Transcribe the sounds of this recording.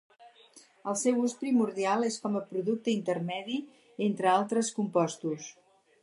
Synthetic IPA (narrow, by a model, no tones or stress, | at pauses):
əlˠsɛwuspɾimuɾðialˠeskɔməpɾuðuk̚t̪əint̪ərmɛði | ent̪ɾəalˠt̪ɾəskumpɔst̪us